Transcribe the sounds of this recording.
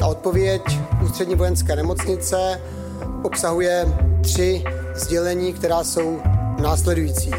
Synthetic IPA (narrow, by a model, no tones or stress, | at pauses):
t̪aʔot̪̚po̞vjɛcʔuːst̪r̥ɛdɲiːvo̞jɛnskɛːnɛmo̞t͡sɲɪt͡sɛ | ʔopsaɦujɛt̪r̝̥ɪ | zɟɛlɛɲiːkt̪ɛɾaːso̞wnaːslɛdujiːt͡siː